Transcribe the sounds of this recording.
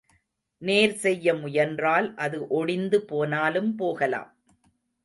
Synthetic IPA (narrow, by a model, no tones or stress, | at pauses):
neːɾsɛjːɐmʊjɐndraːlʔɐðɯʔɔɽɪnd̪ɯpoːnaːlɯmpoːɣɐla̰ːm